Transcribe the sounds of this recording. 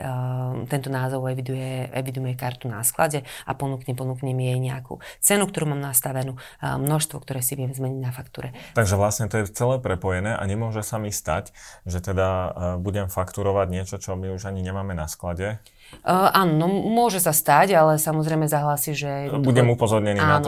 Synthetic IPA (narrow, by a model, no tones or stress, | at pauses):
t̪ɛnt̪ɔnaːzɔʊɛʋid̪ujɛɛʋid̪ujɛkaɾt̪unaskla̰ɟɛa̰pɔnukɲɛpɔnuːkɲɛmijɛjɲɛakṵt͡sɛnukt̪ɔɾuːmaːmnast̪aʋɛnuːmnɔʃst̪ʋɔkt̪ɔɾɛːsiʋɪɛmzmɛɲiɟnafakt̪uːɾɛt̪aɡʒɛʋlasɲɛt̪ɔjɛt͡sɛlɛːpɾɛpɔjɛnɛːʔa̰ɲɛmʊɔʒɛsamist̪a̰cʒɛt̪ɛd̪abuɟɛmfakt̪uɾɔʋaɟɲɪɛt͡ʃɔt͡ʃɔmiuʒaɲiɲɛmaːmɛnasklaɟɛ | ʔaːnɔnɔmʊɔʒɛsast̪aɟalɛsamɔzɾɛjmɛzaɦlaːsiʒɛb̪buɟɛmupɔzɔɾɲɛnianɔ